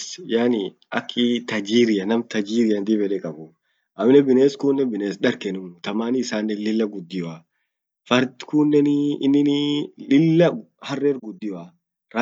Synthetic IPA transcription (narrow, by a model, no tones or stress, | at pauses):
sjaːnɪ | ɐ̰kʰːɪt̪ɐd͡ʒiːɾɪjɐnɐmt̪ɐd͡ʒiːɾɪjɐnd̪ibɛᶑɛkʼɐbʊ | ʔɐmnɛbɪneːskuːnːɛbɪneːsᶑɐɾkɛnʊmt̪ɐmaːnɪːsaːnːɛlɪlːɐɡʊd̪ːɪjɔaː | fɐɾt̪kuːnːɛnɪnːɪnlɪlːɐ | hɐrːeːɾɡʊd̪ːɪjɔaː | ɾa